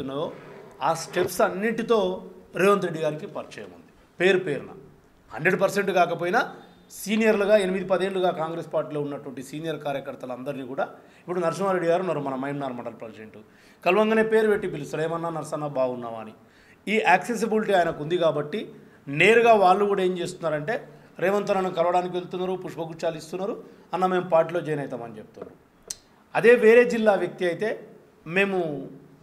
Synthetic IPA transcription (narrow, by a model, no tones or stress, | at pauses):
unːɐoːaːsʈe̞psɐnːiɳʈit̪o̞ːɾiːʋɐnt̪ɾe̞ɖːiɡaːɾikipɐɾt͡ʃɛːjɐ̰mund̪i̥ | pe̞ːɾupeːɾunɐ̰ | hɐɳɖɾe̞ɖpɐɾse̞ɳʈukaːkɐp̬oːjinɐ | siːnijɐɾluɡaːenimid̪ipɐd̪e̞ːɳluɡaːkaːŋɡɾe̞ːspaːɾʈiːloːunːɐʈuʋɐɳʈisiːnijɐɾkaːɾjɐkɐɾt̪ɐlɐnd̪ɐɾiniːkuːɽaː | ipːuɽunɐɾʃ̬ɐmaːɾe̞ɖːiɡaːɾunːɐɾumɐnɐmɐjmnaːɾmɐʈɐlplɐnd͡ʒeɳʈu | kɐlʋɐŋɡɐneːpe̞ːɾubeʈːipilusuɾɐːmɐnːaːnɐɾsɐnːabaːɡunːa̰ːʋa̰ːni | iːʔaːkses̬ibiliʈiaːjɐnɐkund̪ikaːbɐʈːi | ne̞ːɾuɡaːʋaːɭːukuːɽaːe̞ːmt͡ʃeːst̪unːaːɾɐɳʈe̞ː | ɾeːʋɐnt̪onɐnukɐlʋɐɽaːnik̬iʋelt̪̬unːaːɾupuʂpɐkut͡ʃaːlist̪unːaːɾu | ɐnːaːme̞ːmupaːʈ̬ilo̞ːd͡ʒɛjɐnɐjt̪aːmɐnit͡ʃep̚t̪uːṵ | ɐd̪e̞ːʋeːɾe̞ːd͡ʒilːaːʋjɐk̚t̪iɐjit̪e̞ː | me̞ːmu